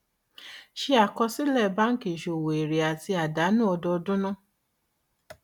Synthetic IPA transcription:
ʃe˧a˨kɔ˧si˦lɛ˦˨ba˦n̩˦ke˨ʃo˨wo˨e˨ɾe˨a˨ti˧a˨da˨˦nũ˦ɔ˧dɔ˧dũ˦nã˦˨

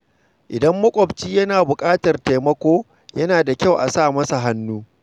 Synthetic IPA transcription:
ʔɪ˨dɐ˦mːɐ˦kʷʼɔ˨bt͡ʃiː˦jɐ˦naː˨bʊ˨kʼaː˦tɐ˨rte˨jmɐ˦kʷoː˦ | jɐ˦naː˨da˨kʲa˦˨wʔa˨saː˦˨mɐ˦sa˨ɦa˦nːuː˦

